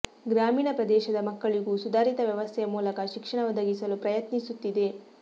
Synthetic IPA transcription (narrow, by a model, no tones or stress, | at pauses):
ɡɾaːmiːɳɐpɾɐd̪ɛːʃɐd̪ɐmɐkːɐɭiɡuːsud̪ʱaːɾit̪ɐʋjɐʋɐst̪ʰɛjɐmuːlɐkɐʃikʂɐɳɐʋɐd̪ʱɐɡisɐlupɾɐjɐt̪nisut̪ːid̪e̞